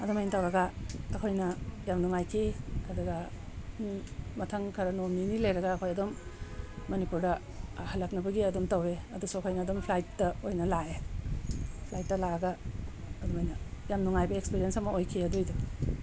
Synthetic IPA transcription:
ɐdomajnɐtawɾɐɡɐːkʰojnɐjamnuŋajkʰikʰadɐɡɐ | mɐtʰaŋkʰɐɾɐnomninilejɾɐɡɐːkʰojɐdomː | ɐnipuɾdɐ | hɐlɐk̚nɐbɐɡiɐdomtɐweɐdusuɐkʰojnɐːdompʰlajtːɐojnɐlae | pʰlajt̚ːɐlaɐɡɐ | ɐdɔmajnɐjamnuŋajbɐekspiɾijensɐmɐojkʰiɐdojdu

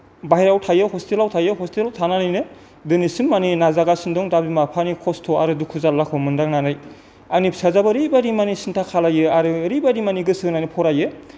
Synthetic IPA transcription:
bajɾawtʰajɯɦɔstilawtʰajɯɦɔstilawtʰananɯjnɯ | dɯnisimːaninazaɡasindɔŋdabimapʰanikʰɔstʰɔaɾɯdukʰuzalːakʰɔmɯndaŋnanaj | anipsazabaɾibaɾimanisintʰakʰalajɯaɾɯɾibaɾimaniɡɯsɯnanipʰɔɾajɯ

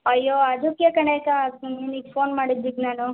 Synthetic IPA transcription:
ɐjːoːad͡ʒokjɐkɐɳekainiːɡfoːnmaːɽid̪d͡ʒiɡnaːnu

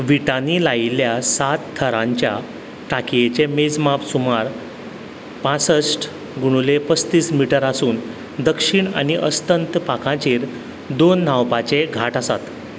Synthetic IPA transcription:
ʋiʈanilailjasat̪t̪ʰːəɾãɲt͡ɕja̰ | ʈʰakijet͡ɕemed͡zmapsumaɾ | pãt͡səsʈ | ɡuɽ̃ulepəst̪iːsmiʈəɾasuːn | d̪əkʂiɳa̰ɽiʔəst̪ənt̪pakʰãt͡ɕiːɾ | d̪onːawpat͡ɕeɡʱaʈasa̰t̪

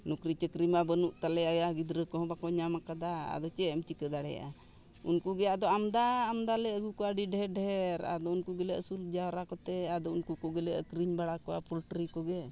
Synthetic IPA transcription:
nukɾit͡ʃəkɾimabənuʔt̪alɛajaɡid̪ɾəkɔɦɔ̃bakɔɲamakad̪aa̰d̪ɔt͡ʃɛɛmt͡ʃikəd̪aɽɛja̰ʔa̰ | unkuɡɛad̪ɔamd̪aːmd̪alɛəɡukɔaɖiɖɛɖɛɾa̰d̪ɔunkuɡɛlɛʔəsuld͡ʒawɾakɔt̪ɛad̪ɔunkukɔɡɛlɛəkɾiɲbaɽakɔwa̰pulʈɾikɔɡɛ

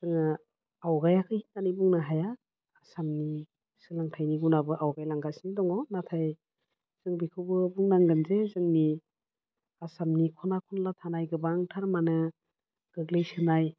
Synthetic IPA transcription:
z̥ɯŋɯ | awɡajakʰɯhinnanibuŋnaɦajaː | samni | sɯlaŋtʰajniɡunabɯʔawɡajlaŋɡasindɔŋɔnatʰaj | z̥ɯŋbikʰɯwbɯbuŋnaŋɡɯnzezɯŋni | asamnikʰɔnakʰɔnlatʰanajɡɯbaŋtʰaɾmanɯ | ɡ̥ɯɡlɯjsɯnaj

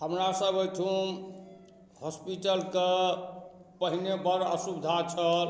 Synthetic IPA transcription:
həmɾasəbəjʈ̪ʰu | hɔspiʈəlke | pəɦinebəɾə̰subd̪ʱat͡ʃʰəl

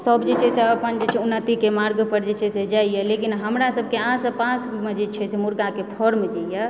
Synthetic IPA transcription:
səbd͡ʒet͡ʃʰɛseəpənd͡ʒet͡ʃʰɛunːət̪ikemaɾɡpəɾd͡ʒet͡ʃʰɛsed͡ʒaijɛlekinɦəmɾasəb̚ʱkeãsəbpãsmed͡ʒet͡ʃʰɛsemuɾɡakepʰɔɾmd͡ʒajɛ

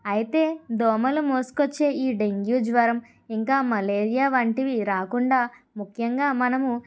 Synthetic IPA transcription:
ɐjit̪e̞ːd̪ɔːmɐlumoːsu̥kot͡ʃːe̞ːiːɖeŋɡjuːd͡ʒʋɐɾɐm | iŋkaːmɐleːɾijaːʋɐɳʈiʋiɾaːkuɳɖaː | mukʰjɐŋɡaːmɐnɐmu

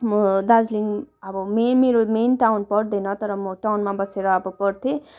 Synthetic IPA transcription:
mʌd̪ad͡zliŋʌbʌmenmeɾomenʈawnpʌɽd̪ʌnʌt̪ʌɾʌmʌʈawnmãbʌseɾʌːbʌpʌɽt̪ʰe

